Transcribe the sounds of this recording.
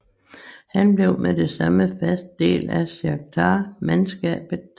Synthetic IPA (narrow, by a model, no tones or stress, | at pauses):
hænb̥le̝ʊmede̝sɑ̈məfæsd̥̚d̥e̝̰ːlæsɑɡ̥̚t͡sʰɑːmænsɡ̥ɛ̰ːb̥ð̩ˠ